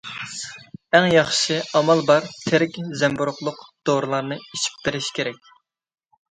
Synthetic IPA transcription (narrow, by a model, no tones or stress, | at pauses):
æŋjɑχʃɨɑmɑlˠbɑɾt̪ʰɪɾɪkʲzɛmbuɾʊχlˠʊqd̪̥oɾɨlˠɑɾnɨit͡ʃʰi̥p̚beɾɪʃkʲʰeɾɛk̚ʲ